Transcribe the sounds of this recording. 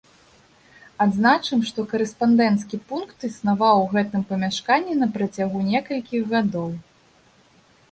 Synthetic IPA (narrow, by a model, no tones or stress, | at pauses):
ad̪znat͡ʂɨmʂt̪ɔkɐɾɛspand̪ɛnt̪skʲipunkt̪ɨsnavawɣɛt̪ɨmpɐmʲaʂkanʲːɛnɐpɾɐt͡sʲaɣunʲɛkɐlʲkʲiɣɣad̪ɔw